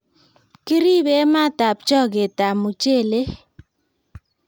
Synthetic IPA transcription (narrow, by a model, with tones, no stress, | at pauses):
ki˦ɾi˦be˦ma˦ta˨p̚t͡ʃɔ˦ɡe˨ta˨mu˨t͡ʃe˦˨le˦